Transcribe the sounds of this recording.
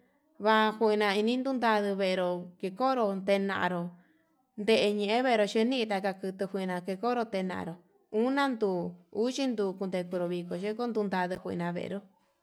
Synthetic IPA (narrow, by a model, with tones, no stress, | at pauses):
βa˧xʷe˧i˧nã˧i˧nĩ˦nd̪u˦nd̪a˧ðɨ˧βe˧e˧ɾo˧˨ke˧ko˦ɾo˧nt̪e˧nã̰˧ʔa̰˧ɾo˨ | nd̪e˧ʔe˧ɲẽ˧ʔẽ˦βe˦˧ɾo˧ʃe˧˦nĩ˦ʔi˧t̪̬a˧ka˧kɨ˧t̪ɨ˧hʷi˧nã˧ke˧ko˦ɾo˧t̪e˧nã̰˨ʔa̰˧ɾo˨ | ũ˦nã˦nd̪u˧˨u˦t͡ʃi˦nd̪u˧ku˧nd̪e˧ku˧ɾo˧βi˧ko˨ʃe˦ko˦nd̪u˧nd̪a˧ðɨ˧hʷnã˧βḛ˧ʔḛ˧ɾo˦